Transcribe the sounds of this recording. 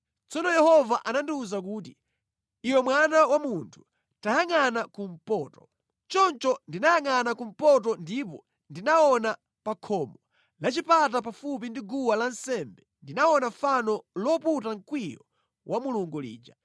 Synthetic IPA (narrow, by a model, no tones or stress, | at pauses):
t͡sɔnɔjɛhɔvaʔanandiuzak̬uːti | iwɛmwanawamuntʰu̥ | tajaŋanakum̩pɔːtɔ | t͡ʃɔnt͡ʃɔndinajaŋanakum̩pɔt̬ɔndipɔ | ndinaɔna | pakʰɔmɔ | lat͡ʃipat̬ap̬afup̬indiɡuwalansɛmbɛndinaɔnaɱfanɔlɔputaŋkwijɔ̰ | wʔamuluŋɡulḭːd͡ʒa